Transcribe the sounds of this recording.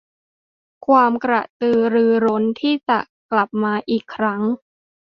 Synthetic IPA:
kʰwaː˧mkɾa̰˨˩t̪ɯː˧ɾɯː˧ɾo˦˥nt̪ʰiː˥˩t͡ɕa˨˩ʔ | kla˨˩p̚maː˧ʔiː˨˩kʰːɾa˦˥ŋ

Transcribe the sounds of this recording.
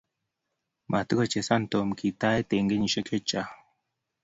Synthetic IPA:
mʔa˨t̪u˦ko˨t͡ʃe˨sa˦˨nt̪o˨mkʰi˨t̪a˦e˦t̪e˨ŋɡe˦ɲi˨ʃe˦kʰe˦t͡ʃa˨

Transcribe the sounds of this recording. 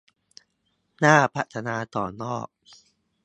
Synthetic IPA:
naː˥˩pʰa˦˩t̪ʰa˧naː˧t̪ɔː˨˩nɔː˥˩k̚

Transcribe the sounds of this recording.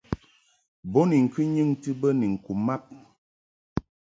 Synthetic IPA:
bɔ˦ni˨ŋ̩˨kʰɨ˦ɲɨ˦ŋtɨ˦bə˦ni˨ŋ̩˨ku˨mːa˦p̚

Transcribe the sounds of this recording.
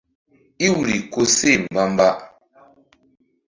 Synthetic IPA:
i˦wu˨ɾi˨ko˦se˦˨m̩˨ba˦m˦ba˦ʔ

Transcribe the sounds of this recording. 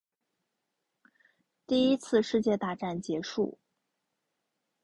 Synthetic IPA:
t̪i˥˩i˥t͡sʰɹ̩˥˧ʂɻ̩˥˧t͡ɕjɛ˥˧t̪a˥˧ʈ͡ʂa˥˩nt͡ɕjɛ˧˥ʂṵ˥˩

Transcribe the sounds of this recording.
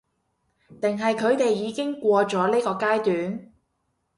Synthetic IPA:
t̪ɪ˨ŋɦɐ˨jkʰɵ˨˧ɥt̪e˨jːiː˨˧kɪ˥ŋkʷɔː˧t͡sɔː˨˥liː˥kɔː˧kaː˥jt̪yː˨˥n

